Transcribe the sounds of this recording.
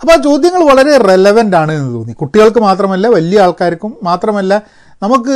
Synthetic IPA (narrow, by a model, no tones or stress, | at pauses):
ɐpːoːt͡ɕo̞ːd̪jɐŋːɐɭʋɐɭɐɾe̞relɐʋɐndaːɳɨe̞nːɨt̪oːnːikuʈːiɣɐɭk̬ɨmaːt̪rɐmɐlːɐʋɐlijɐaːɭkaːɾɐkʲːumːaːt̪rɐmɐlːɐ | nɐmukːɨ